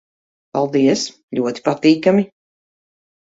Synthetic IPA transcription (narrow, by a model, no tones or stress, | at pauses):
palˠd̪iɛs | ʎʲuɔt̪i̥pat̪iːkami